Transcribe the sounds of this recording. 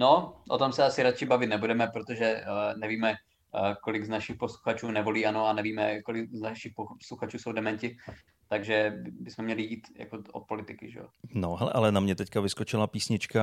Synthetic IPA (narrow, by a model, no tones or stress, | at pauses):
no̞ʔo̰t̪o̞msɛasɪɾat͡ʃɪbavɪt̪nɛbudɛmɛpɾot̪oʒɛnɛviːmɛ | ko̞lɪɡznaʃɪxpo̞sluxat͡ʃuːnɛvo̞liːano̞anɛviːmɛko̞lɪɡznaʃɪxposluxat͡ʃuːsowdɛmɛncɪ | t̪aɡʒɛbbɪsmɛmɲɛlɪjiːt̪ja̰koʔot̪̚po̞lɪt̪ɪkɪʒɛ̰jo̰noɦɛlɛ̰ʔalɛnamɲɛt̪ɛckavɪskot͡ʃɪlapiːsɲɪt͡ʃka